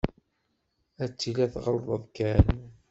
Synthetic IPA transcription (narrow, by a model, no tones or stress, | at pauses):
æt͡sːilæθʁɾˤðˤəðˤkːæn